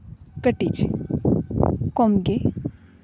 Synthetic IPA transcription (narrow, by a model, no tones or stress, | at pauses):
kəʈit͡ʃ | komɡe